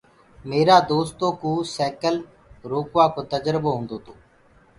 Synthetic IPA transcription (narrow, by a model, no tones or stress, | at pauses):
meːɾaːd̪oːst̪õːkuːsɛːkəl | ɾoːkʋaːkoːt̪əd͡ʒɾboːɦõːnd̪oːt̪ʰoː